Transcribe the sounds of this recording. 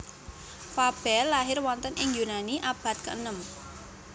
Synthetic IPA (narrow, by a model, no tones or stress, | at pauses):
fab̥ɛ̤lːaɦɪrwɔnt̪ənʔɪŋjunaniʔab̥a̤t̪̚kə̰nəm